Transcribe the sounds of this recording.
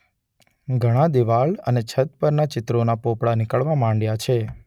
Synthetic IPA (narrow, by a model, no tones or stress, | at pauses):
ɡʱəɽ̃ãd̪iʋaɭə̰net͡ʃʰət̪̚pəɾnat͡ʃɪt̪ɾonapopɽanɪkəɭʋamãɳɖjat͡ʃʰe